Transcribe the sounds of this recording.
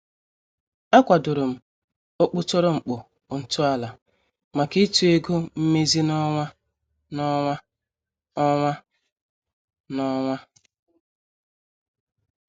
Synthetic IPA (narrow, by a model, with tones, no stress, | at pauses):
a˦kʷa˨dʊ˨ɾʊ˨m̩˨ | o˦k͡pʊ˦tɔ˦ɾɔ˦ŋ͡m̩˨k͡pʊ˨ | n̩˨tʊ˦a˨la˨ | ma˨ki˦tu˦e˦ɡo˦m̩˦me˦zi˦nɔ˦ŋʷa˦ | nɔ˦ŋʷa˦ | ɔ˦ŋʷa˦ | nɔ˦ŋʷa˦